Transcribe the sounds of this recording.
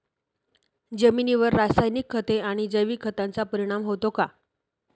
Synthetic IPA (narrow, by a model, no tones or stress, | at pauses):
d͡zəminiʋəɾːasajnikʰːət̪eaɽ̃id͡zəjʋiːkʰːət̪ant͡sapəɾiɽ̃amɦot̪oka